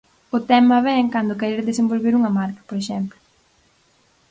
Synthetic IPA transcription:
ʊt̪ɛmɐβɛŋkand̪ʊkeɾeɾðesembolβeɾuŋɐmaɾkɐ̥poɾeʃɛmplʊ

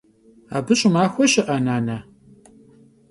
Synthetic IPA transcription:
a̰ːbɨɕʼʊmaːxʷɔʃɪʔɐnaːnɐ

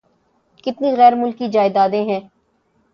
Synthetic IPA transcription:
kɪt̪niɣɛːɾmʊlkid͡ʒaːɪd̪aːd̪ẽɦɛ̃ː

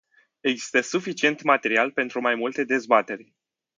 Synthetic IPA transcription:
e̞ɡzi̥st̪əsufit͡ʃie̞nt̪mat̪e̞ɾialpe̞nt̪ɾumajmult̪e̞d̪e̞zbat̪e̞rʲ

